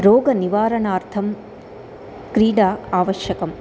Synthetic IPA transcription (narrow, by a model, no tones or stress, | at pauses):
ɾoːɡɐniʋaːɾɐnaːɾt̪ʰɐm | kɾiːɽaːaːʋɐʃjɐkɐm